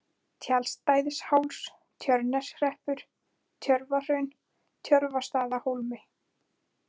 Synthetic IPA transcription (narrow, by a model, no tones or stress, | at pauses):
t̪ʰjalst̪aːjðɪshawls | t̪ʰjœɾnɛsr̥ɛhpʏɾ̥ | t̪ʰjœɾvar̥œɥn | t̪ʰjœɾvast̪aːðahowlmɪ